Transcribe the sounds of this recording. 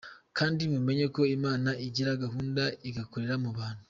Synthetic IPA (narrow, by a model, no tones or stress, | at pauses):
kʰaːndimume̞ɲe̞ko̞imaːnaʔiɟiɾaɡaɦuːndaiɡakoɾeɾamuβaːn̥u